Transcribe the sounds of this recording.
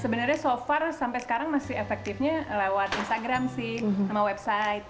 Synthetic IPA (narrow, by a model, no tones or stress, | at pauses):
səbənərɲasofɛrsampajsə̥kaɾaŋmasɪhefɛk̚t̪ifɲalewat̪inst̪aɡɾamsɪhamawɛbsajt̪̚